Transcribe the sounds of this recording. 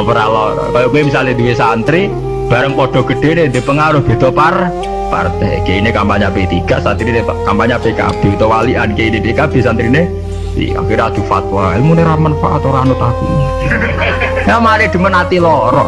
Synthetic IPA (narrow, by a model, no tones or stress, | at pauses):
pəɾalɔɾɔ̰kajokuemisaled̪uesant̪ɾi | b̥a̤ɾəŋpɔɖ̥ɔ̤ɡ̥əɖ̥e̤ned̪e̤pəŋaɾʊhb̥e̤d̪̥ɔpar | pa̰rt̪ɛ̰keinekampaɲapet̪iɡ̥a̤ʔsant̪ɾinekampaɲabeka̰b̥e̤hut̪owaliʔankeinepekab̥e̤sant̪ɾine | ḭa̰kiɾad̪̥ṳfa̰t̪̚waemuneɾamanfa̰ʔa̰t̪oɾanʊt̪akṵ | jamalɪd̥ə̤mənat̪ilɔɾɔ̰